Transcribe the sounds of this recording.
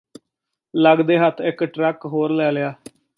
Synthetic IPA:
ləɡd̪eːɦət̪ʰːɪkʈɾɛkɦoːɾlɛːlɪjaː

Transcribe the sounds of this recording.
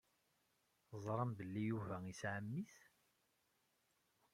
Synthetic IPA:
zˤɾˤəmbəlːijuvæisʕəmːiθ

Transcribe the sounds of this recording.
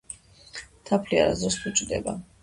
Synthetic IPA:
t̪ʰapʰlia̰ɾazd̪ɾɔst̪ʰut͡ʃʼd̪ɛ̰ba

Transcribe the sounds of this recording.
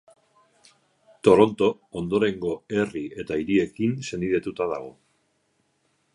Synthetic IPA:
t̪o̞ɾo̞nt̪o̞ | ond̪o̞ɾe̞ŋɡo̞e̞rie̞t̪aiɾie̞kinse̞niðe̞t̪ut̪aða̰ɣ̞o̞

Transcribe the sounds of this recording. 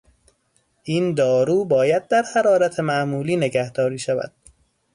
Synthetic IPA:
ʔind̪ɒːɾuːbɒːjæd̪̚ːæɾhæɾɒːɾæt̪ʰemæʔmuːliːne̞ɡæhd̪ɒːɾiːʃævæ̰d̪̥

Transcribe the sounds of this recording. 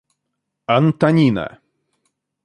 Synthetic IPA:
ant̪anʲina̰

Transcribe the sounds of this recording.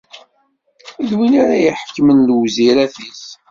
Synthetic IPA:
ilwinaɾajəħəkːmənlwziɾæθis

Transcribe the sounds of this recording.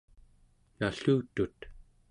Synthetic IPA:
jaɬuːt̪ut̪

